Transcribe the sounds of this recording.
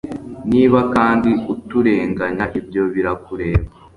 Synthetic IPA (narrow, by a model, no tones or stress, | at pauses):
niːβakaːndiutuɾe̞ːŋɡaɲaʔibjo̞βiɾakuɾe̞ːβa